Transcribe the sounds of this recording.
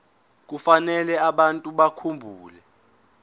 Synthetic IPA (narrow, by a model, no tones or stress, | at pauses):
k̬ufanɛlɛaɓantʼuɓakʰumbʱuːlɛ